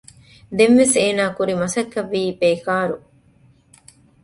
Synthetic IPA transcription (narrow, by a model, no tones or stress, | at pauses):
d̪emʋeseːnaːkuɾimɐsɐkːɐʋːiːpeːkaːɾu